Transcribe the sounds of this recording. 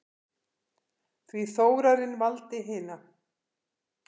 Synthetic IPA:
θviθoːwɾaɾɪnvalt̪ɪɦɪːna

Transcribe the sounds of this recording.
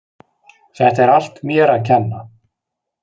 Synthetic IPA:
θɛht̪aɛɾal̥t̪mjɛːɾaðcʰɛnːa

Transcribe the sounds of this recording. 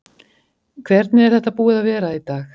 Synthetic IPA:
kʰvɛɾt̪̚nɪɛɾ̥θɛht̪ːapuːɪðavɛːɾait̪aːx

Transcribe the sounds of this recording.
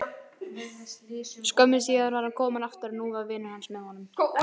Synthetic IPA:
skœmːɪsiːɣaðaɾvaɾhankʰɔːmanaft̪ɪɾnuːavɪnːahansmɛðhɔnːʏm

